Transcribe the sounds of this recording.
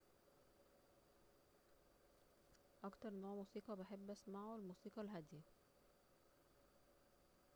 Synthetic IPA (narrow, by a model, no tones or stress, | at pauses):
ʔɑkt̪ɑɾˤnoːʕmuːsiːqɑbeħebːʔæsmaʕolmuːsiːqɑlɦæd̪ɪjæ